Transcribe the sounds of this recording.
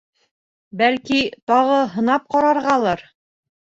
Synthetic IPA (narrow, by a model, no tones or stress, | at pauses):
bælkit̪ɑʁɤɦɤ̆nɑp̚qɑɾɑɾʁɑlˠɑɾ